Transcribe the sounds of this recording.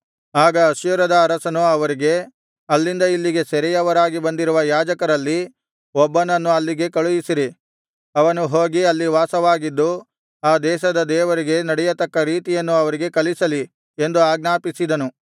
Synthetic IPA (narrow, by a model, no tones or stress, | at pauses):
aːɡɐːʃjuɾɐd̪ɐːɾɐsɐnuɐʋɐɾiɡe̞ | ɐlːind̪ɐilːiɡe̞sɐɛɾɛjɐʋɐɾaːɡibɐnd̪iɾuʋɐjaːd͡ʒɐkɐɾɐlːi | ɔbːɐnɐnːuɐlːiɡe̞kɐɭujisiɾi | ɐʋɐnuɦoːɡiɐlːiʋaːsɐʋaːɡid̪ːu | aːd̪ɛːʃɐd̪ɐd̪ɛːʋɐɾiɡe̞nɐɽɛjɐt̪ɐkːɐɾiːt̪ijɐnːuɐʋɐɾiɡe̞kɐlisɐli | e̞nd̪uaːɡnaːpisid̪ɐnu